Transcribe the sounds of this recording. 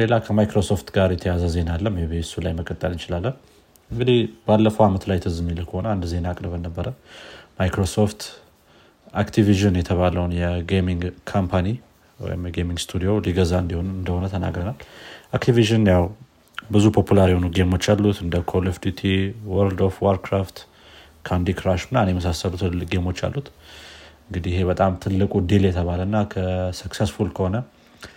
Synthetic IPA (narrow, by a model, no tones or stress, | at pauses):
le̞lakʰəmajkɾo̞so̞ft̪ɡaɾjɛt̪ʰəjazəze̞nalːəmjɛβesulajməkʼːət̪ʼːəlɨnt͡ʃɪlalːən | ɨŋɡɨd̪ihbalːəfəwamət̪lajt̪ʰɨzɨmilːəkʰəho̞nəand̪ze̞naːkʼɾəβənːəbːəɾəmajkɾo̞soft̪ | akt̪ʰiviʒɨnjɛt̪ʰəβaləwnjɛɡemiŋɡkʰampʰani | wɔ̰jimjɛɡemiŋɡst̪ʰud̪ijo̞liɡəzaɨnd̪iho̞nɨnd̪əho̞nət̪ʰəna̰ɡɾənalʔakt̪ʰiviʒɨnjaw | bɨzupʰo̞pʰulaɾjhonuɡemo̞t͡ʃːalːut̪ɨnd̪əkʰolifd̪ut̪ʰiwəɾld̪ofwoɾkʰɾaft̪ | kʰand̪ikɾaʃɨnːanjɛməs̬asːəlut̪ʰɨlɨɡe̞mo̞t͡ʃːa̰lːut̪ʔɨŋɡɨd̪ihɪɦe̞βət̪ʼamt̪ʰɨlːɨkʼud̪eljɛt̪ʰəβaləɨnːakʰəsɨksesfulkʰəho̞nə